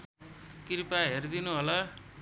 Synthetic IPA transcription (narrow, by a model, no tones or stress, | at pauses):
kiɾipaɦerd̪inuɦola